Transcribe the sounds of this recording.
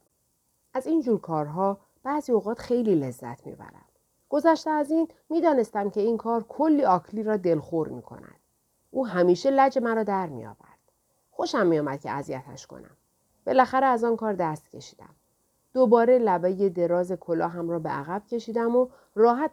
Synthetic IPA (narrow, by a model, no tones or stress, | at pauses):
ʔæziːnd͡ʒuːɾkʰɒːɾɦɒː | b̥æːziːoɣɒːt̪xe̞jliːle̞zːæ̰t̪ʰmḭbæ̰ɾæ̰m | ɡ̥o̞zæʃt̪eæziːnmiːd̪ɒːne̞st̪æmcʰe̞iːnkʰɒːɾkʰolːiːɒːkʰliːɾɒːd̪e̞lxoɾmḭːkʰo̰næ̰nd̪̥ | ʔuːɦæmiːʃelæd͡ʒe̞mæɾɒːd̪æɾmḭjɒ̰ːvæ̰ɾd̪̥ | xo̞ʃæmːijɒːmæd̪̥cʰe̞̰æzijæt̪ʰæ̰ʃkʰo̰næ̰m | b̥e̞læxæɾeæzɒːnkʰɒːɾd̪æst̪̚cʰe̞ʃi̥ːd̪æ̰m | d̪̥obɒːɾelæbeje̞d̪e̞ɾɒːze̞kʰolɒːɦæmrɒːbḛʔæ̰ɣæb̥cʰe̞ʃiːd̪æmo | rɒːɦæt̪